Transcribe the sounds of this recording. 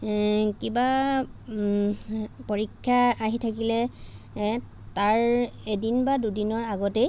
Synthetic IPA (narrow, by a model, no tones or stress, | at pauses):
kiba | poɹikʰːaaɦitʰakilɛ | taɹedinbadudinɔɹaɡɔtej